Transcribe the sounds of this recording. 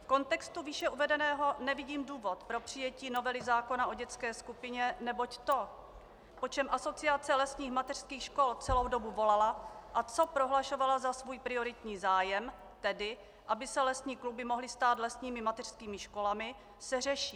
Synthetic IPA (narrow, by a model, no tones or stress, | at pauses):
fko̞nt̪ɛkst̪uviːʃɛʔuvɛdɛnɛːɦo̞nɛvɪɟiːmduːvo̞t̪pɾo̞pr̝̥ɪjɛciːnovɛlɪzaːko̞naʔo̞ɟɛt͡skɛːskupɪɲɛnɛbo̞ct̪o̞ | po̞t͡ʃɛmʔaso̞t͡sɪat͡sɛlɛsɲiːxmat̪ɛr̥skiːxʃko̞lt͡sɛlo̞wdo̞buvo̞lalaʔat͡so̞pɾo̞ɦlaʃo̞valazasvuːjpɾɪo̞ɾɪt̪ɲiːzaːjɛm | t̪ɛdɪ | ʔabɪsɛlɛsɲiːklubɪmo̞ɦlɪst̪aːt̪lɛsɲiːmɪmat̪ɛr̝̥skiːmɪʃko̞lamɪ | sɛr̝ɛʃiː